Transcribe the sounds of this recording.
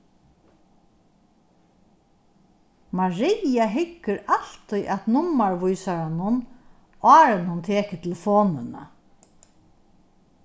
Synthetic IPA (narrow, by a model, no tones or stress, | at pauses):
maɹijaɦɪkːəɾal̥t̪iʔat̪nʊmːaɹʋʊjsaɹanʊn | ɑːɾənhʊnt̪ʰeːkət̪ʰɪlfoːnɪna̰